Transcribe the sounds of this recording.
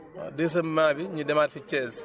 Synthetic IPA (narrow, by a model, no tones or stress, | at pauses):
des̬ɐmːaːbiɲudɛmaːtfit͡ʃɛːs